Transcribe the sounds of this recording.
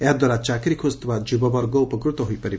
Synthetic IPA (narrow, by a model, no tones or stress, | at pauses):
ɛɦd̪waɾat͡ʃakɾikʰozt̪ʋad͡ʒibɔbɔɾɡɔupəkɾut̪ɔɦujpəɾi